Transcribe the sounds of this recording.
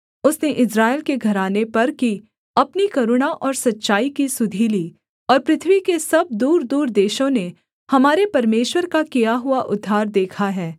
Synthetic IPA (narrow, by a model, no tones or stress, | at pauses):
ʊsneʔɪsɾaːɪlkeɡʱɐɾaːnepɐɾki | ɐpnikɐɾʊɽ̃aʔɔːɾsɐtːʃaːikisʊd̪ʱiliː | ɔːɾpɾɪt̪ʰʋikesɐb̚d̪uːɾd̪uːɾd̪eːʃõne | hɐmaːɾepɐɾmeːʃwəɾkakijaɦʊaʔʊd̪ʱːaːɾd̪eːkʰaɦɛː